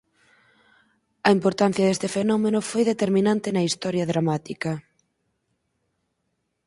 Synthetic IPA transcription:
ɐimpoɾt̪an̟θjɐðest̪efenɔmenʊfojðet̪eɾminãnt̪ɪnɐist̪ɔɾjɐðɾamat̪ikɐ

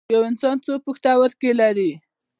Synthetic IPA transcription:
jawɪnsɑnt͡sopəxt̪awəɾkelaɾi

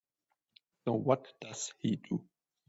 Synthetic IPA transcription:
sowʌtd̥az̥hidu

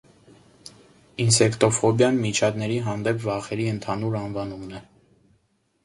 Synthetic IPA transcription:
insɛkt̪ɔfɔbjɑnmit͡ʃʰɑd̪nɛɾiɦɑnd̪ɛpʰvɑχɛɾiənt̪ʰɑnuɾɑnvɑnumnɛ

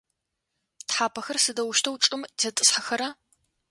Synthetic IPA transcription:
tħaːpʰɐxɐrsɨdɐwʊʃtʰɐwt͡ʃʼɨmzɐtʼɨsħaxɐɾɐ

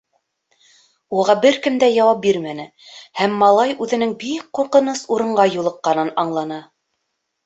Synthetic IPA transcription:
uʁɑbɘɾkɘ̆md̪æjɑwɑp̚biɾmænɘ | hæmːɑlˠɑjʉðɘ̆nɘŋbik̚qːuɾqɤ̆nɤsuɾɤ̆ɴɢɑjulˠɤ̆qːɑnɤnɑɴlˠɑnɑ

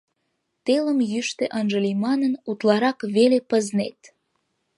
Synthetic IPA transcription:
t̪eləmjyʃt̪eʔənʒəlʲimɑnənut̪lɑɾɑkβelepəznḛt̪

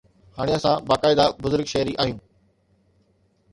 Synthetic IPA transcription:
haːɽ̃ɪjəsãbaːkaːɪd̪abʊzʊɾɡʃɛɦɾiʔaːɦijũː

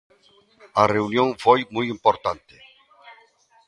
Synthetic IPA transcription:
areunjõŋfojmujimpoɾt̪ant̪e̥

